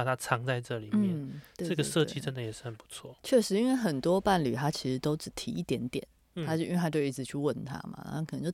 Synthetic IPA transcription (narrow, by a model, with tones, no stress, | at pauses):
a˨˩t̪ʰa˥ʈ͡ʂʰɑ˧˥ŋt͡sa˥˧ɪʈ͡ʂɤ˥˧˩li˨˩nm̩˥jɛ˩˥˨t̪we˥˧ɤ˥˧ɡə˨ʂɤ˥˧t͡ɕi˥ʈ͡ʂə˦nd̪ə˨jɛ˨˩ʂɻ̩˥˩ə˨˩npu̥˧˦t͡sʰwɔ̰˥˩t͡ɕʰɥɛ˥˩ʂɻ̩˧˥i˥nwe˥˩ɪxə˨˩nt̪wɔ˥pa˥˩nly̰˨˩t̪ʰa˥t͡ɕʰi˧˥ʂɻ̩˧˥t̪o˥ʊʈ͡ʂɻ̩˨˩t̪ʰi˧˥i˥˩t̪jɛ˧˥nt̪jɛ̰˨˩˦nʰ | a˥t͡ɕḭ˥we˥˩a˥t͡ɕjo˥˧ʊi˧˥˩t͡sʰɹ̩˨˩t͡ɕʰy˥˧wə˥˩nt̪ʰa̰˥ma̰˨˩˥a˥kʰn˧˦ŋt͡ɕo˥˩